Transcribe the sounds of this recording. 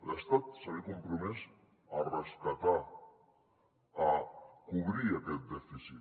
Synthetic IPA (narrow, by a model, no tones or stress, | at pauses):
bast̪at̪saɾikompɾomes | araʃkat̪a | akuβɾiek̪ed̪efisi